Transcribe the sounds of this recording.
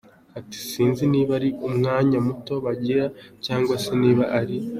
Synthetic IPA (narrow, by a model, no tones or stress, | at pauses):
ati̥siːnziniːβaɾiʔumŋaːɲamuto̞βaɟiɾacaːŋɡwase̞niːβaʔaɾi